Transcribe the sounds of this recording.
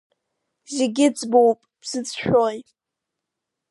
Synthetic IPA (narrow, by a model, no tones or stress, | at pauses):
zeɡʲɪt͡sbowpʼ | sɨt͡sħᶣʷoj